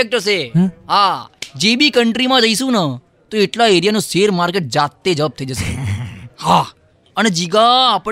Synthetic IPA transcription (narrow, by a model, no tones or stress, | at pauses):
ek̚ʈəseɦad͡ʒebikəɳʈɾimãd͡ʒəiʃũnə | t̪oeʈlaeɾijanũseɾmaɾkeʈ̚d͡ʒat̪ːed͡ʒəʋab̚t̪ʰəid͡ʒəʃḛ | ha | əned͡ʒiɡaːpə